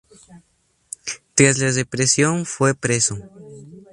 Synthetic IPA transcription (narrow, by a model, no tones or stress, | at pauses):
t̪ɾazlaðepɾesjonfwepɾeso